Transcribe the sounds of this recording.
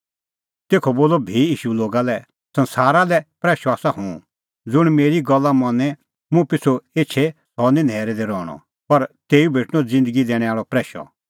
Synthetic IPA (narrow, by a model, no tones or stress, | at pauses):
t̪eːkʰɔboːlɔbʱiiːʃuloːɡalɛ | sɐ̃nsaːɾalɛpɾɛːʃɔaːsahũ | d͡zʊɽ̃meːɾiɡɔlːamɐnɛ̃ | mũpɪt͡sʰoeːt͡ʃʰe | sɔnĩnʱɛːɾɛd̪eɾɔːɽ̃ɔ̰̃ | pɐɾt̪eːubʱeːʈʰɽ̃ɔd͡zɪ̃nd̪əɡid̪ɛːɽ̃ɛ̃aːɭɔpɾɛːʃɔ̰